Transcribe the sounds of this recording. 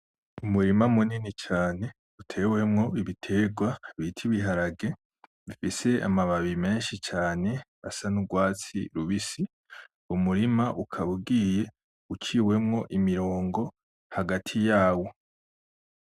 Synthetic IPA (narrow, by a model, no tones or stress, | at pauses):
umuɾimamuninit͡ʃaːne̞ | utʰe̞we̞mŋo̞iβitʰe̞ɡwaβitʰiβiɦaɾaɡe̞ | βifise̞a̰maβaβime̞ːnʃit͡ʃaːne̞βa̰sanuɡwaːt͡sḭɾuβisi | umuɾimaʔukʰaβuɡiːje̞ | ut͡ʃiːwe̞mŋo̞ʔimiɾo̞ːŋɡo̞ | haɡatʰijaːwo̞